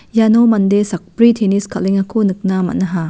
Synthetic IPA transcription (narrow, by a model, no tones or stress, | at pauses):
janomɐndesak̚pɾitʰeniskʰaliŋɐkʰonɯk̚namɐ̰nɐɦa